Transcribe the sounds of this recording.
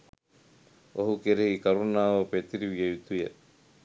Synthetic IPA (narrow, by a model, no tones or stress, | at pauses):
oɦukeɾeɦikɐɾunaːʋəpet̪iɾiʋijejut̪ujḛ